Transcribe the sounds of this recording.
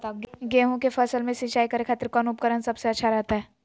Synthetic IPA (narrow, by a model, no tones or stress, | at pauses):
ɡɛːɦõkefʰɐsəlmẽsĩt͡ʃaːikəɾekʰaːt̪ɾkɔːnuːp̚kəɾənsɐbseɐtːʃʰaɾɛɦt̪aɦɛː